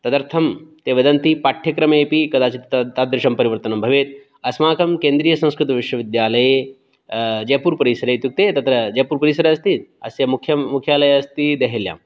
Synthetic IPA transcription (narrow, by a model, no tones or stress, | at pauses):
t̪ɐd̪ɐɾt̪ʰɐmt̪eːʋɐd̪ɐnt̪ipaʈʰjɐkɾɐmeːpikɐd̪aːt͡ʃit̪t̪t̪aːd̪ːɾɪʃɐmpɐɾiʋɐɾt̪ɐnɐmbʱɐʋeːt̪̚ | ɐsmaːkɐmkeːnd̪ɾiːjɐsɐ̃ñskɾut̪ɐʋiʃʋɐʋid̪jaːlɐje | d͡ʒɐjpuːɾpɐɾisɐɾɐt̪juk̚t̪eːt̪ɐt̪ɾɐd͡ʒɐjpuːɾpɐɾisɐɾɐɐst̪iɐsjɐmukʰjɐmukʰjaːlɐjɐɐst̪id̪ɐɦelja̰ːm